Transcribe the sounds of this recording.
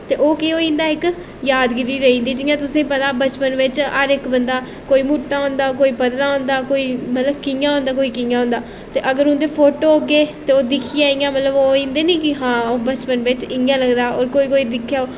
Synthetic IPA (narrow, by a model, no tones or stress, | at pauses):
t̪eːʔoːkeoːĩːnd̪aːɪk | jaːd̪ɡɪɾiːɾəĩːnd̪iːd͡ʒɪjãːt̪ʊsẽːpət̪aːbət͡ʃpənʋɪt͡ʃaɾɪkbənd̪aː | koːiːmʊʈːãːɦõːnd̪aːkoːiːpəd̪nãːɦõːnd̪aːkoːiːmət̪ləbkɪjãːɦõːnd̪aːkoːiːkɪjãːõːnd̪aː | t̪eːʔəɡəɾʊ̃nd̪eːpʰoːʈoːoɡeːt̪eːoːd̪ɪkʰiːaːiːãːmət̪ləboːĩːnd̪eːniːkɪɦãːoːbət͡ʃpənʋɪt͡ʃɪjãːləɡd̪aːo̰ːɾkoːiːkoːiːd̪ɪkʰːjaːoː